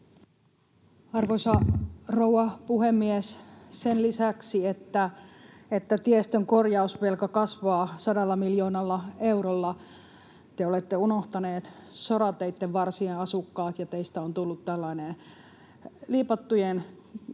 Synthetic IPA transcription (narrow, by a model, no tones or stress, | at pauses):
ɑrʋosɑrowɑpuhemːiessenlisæksiet̪ːæet̪ːæt̪iest̪øŋkorjɑusʋelkɑkɑsʋɑːsɑdɑlːɑmiljoːnɑlːɑeuɾolːɑ | t̪eolet̪ːeunoht̪ɑneːt̪soɾɑt̪ːeit̪ːeʋʋɑrsieɑsukːɑːt̪jɑt̪eist̪æont̪ulːut̪t̪ælːɑinen | liːpɑt̪ːujen